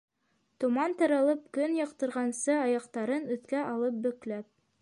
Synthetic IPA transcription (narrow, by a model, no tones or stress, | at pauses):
t̪ŭmɑnt̪ɑɾɑlˠɤp̚kɵnjɑ̆qt̪ɤ̆ɾʁɑnsɤɑjɑqt̪ɑɾɤnɵ̆θkæʔɑlˠɤp̚bɵ̆klæp̚